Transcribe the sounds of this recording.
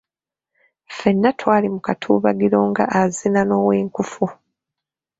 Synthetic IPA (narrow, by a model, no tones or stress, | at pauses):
fe̞nːatwaːlimukatʰuːβaɡiɾo̞ːŋɡa̰ʔazinano̞ːweːŋkufu